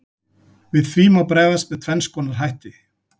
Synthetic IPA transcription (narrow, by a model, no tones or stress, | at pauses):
vɪðθɾiːmawpɾɛːvast̪vɛðt̪ʰvɛnskɔːnaɾ̥ɦajht̪ɪ